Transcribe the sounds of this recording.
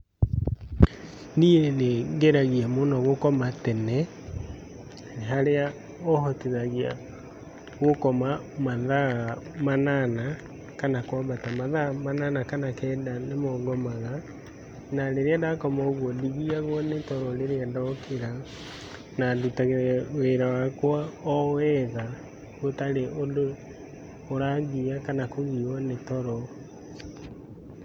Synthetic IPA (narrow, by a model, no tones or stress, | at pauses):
nieneŋɡeɾaɣiamonɔɣokɔmatɛnɛ | neɦaɾea | ɔhɔteðaɣia̰ | ɣokɔma | maðamanana | kanakwabatamaðamananakanakɛːndanemɔɡɔmaɣa | naleɾeadakɔmaoɣwɔdiɣiaɣwɔnetɔɾɔleɾeadɔkʰeɾa | nadutaɣweɾawakwaɔɛða | ɣotaɾeʔodoː | ɾaɣiakanakoɣiwɔnetɔɾɔ